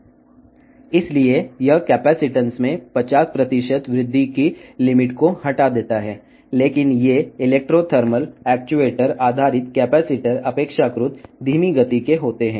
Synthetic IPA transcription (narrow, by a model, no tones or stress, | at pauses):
ɪsliejɐkɛːpɛːsɪʈə̃nsmẽpɐt͡ʃaːspɾɐt̪ɪʃət̪ʋɾɪd̪ʱːikilɪmɪʈkohɐʈad̪eːt̪aɦɛː | leːkɪnjeɪleːk̚ʈɾot̪ʰəɾməlɛːk̚t͡ʃueːʈəɾaːd̪ʱaːɾɪt̪kɛːpɛːsɪʈəɾɐpeːkʃakɾʊt̪d̪ʱiːmiɡɐt̪ikeɦoːt̪eɦɛ̃ː